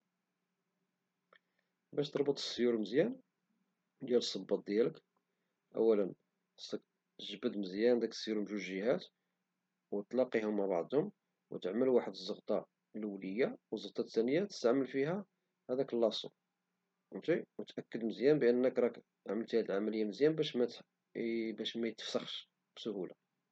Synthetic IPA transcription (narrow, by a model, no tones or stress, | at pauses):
bæʃt̪əɾˤbət̪ˤə̥sːjuɾməzjæn | d̪jæləsˤːɑbːɑt̪̚d̪jælək | ʔæ̰wːælən | sk | t̪əʒbəd̪məzjænd̪ækə̥sːjuɾmʃulʒəhæt̪ | wt̪lɑqihʊmːaʕbɑ̰ʕd̪ˤhʊm | wt̪əʕməlwaħəd̪əzˤːəɣt̪ˤɑ | lwləjːawəzːəɣt̪ˤɑt̪ːænəjat̪ə̥st̪aʕməlfihæ | hæd̪ækəlːɑsˤṵ | t̪iwət̪ʔækːəd̪məzjænbəʔənːəkɾˤɑk | ʕməlt̪hæd̪əlʕamæləjːaməzjænbæʃmæt̪ | bæʃmæjt̪ə̥fsaxʃ | b̥sʊhula